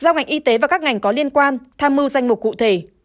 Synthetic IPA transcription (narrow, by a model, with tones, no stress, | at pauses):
zaː˧wŋa˨˩jŋ̟ʔi˧t̪e˨˦vaː˨˩kaː˦˥k̚ŋa˨˩jŋ̟kɔ˨˦li˧ənkwaː˧nt̪ʰaː˧mɨ˧wza˧jŋ̟mʊ˨˩t̚kṵ˧˨t̪ʰe˧˩